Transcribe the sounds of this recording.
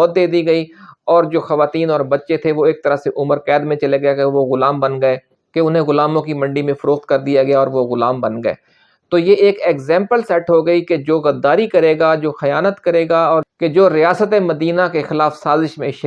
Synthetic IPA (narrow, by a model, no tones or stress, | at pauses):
ɔːt̪̚d̪eːd̪iɡɐiɔːɾd͡ʒoːxɐʋaːt̪iːnɔːɾbɐtːʃet̪ʰeʋoeːk̚t̪ɐɾaseʔʊməɾkɛːd̪mẽt͡ʃɐleɡɐjaɡʋoɣʊlaːmbɐnɡɐe | keʊnɦẽɣʊlaːmõkimɐ̃ɳɖimẽfɐɾoːxt̪̚kɐɾd̪ijaɡɪjaɔːɾʋoɣʊlaːmbɐnɡɐḛː | t̪ojeeːkeːkzɛ̃ːmpəlsɛʈɦoɡɐiked͡ʒoːɣɐd̪ːaːɾikɐɾeːɡaːd͡ʒoːxɐjaːnət̪kɐɾeːɡaɔːɾked͡ʒoːɾɪjaːsət̪emɐd̪iːnakexɪlaːfsaːzɪʃmẽʃ